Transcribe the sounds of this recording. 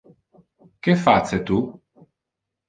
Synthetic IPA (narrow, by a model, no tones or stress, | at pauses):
kefat̪set̪u